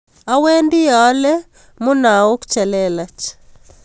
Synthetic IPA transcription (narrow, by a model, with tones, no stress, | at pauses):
a˦we˦ndɪ˦ja˦lɛ | mo˦na˨o˦kt͡ʃɛlɛla˨t͡ʃ